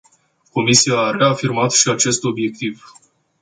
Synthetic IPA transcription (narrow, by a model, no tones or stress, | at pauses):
ko̞misiaːɾe̞afirmat̪ʃiat͡ʃe̞st̪o̞bje̞k̚t̪iv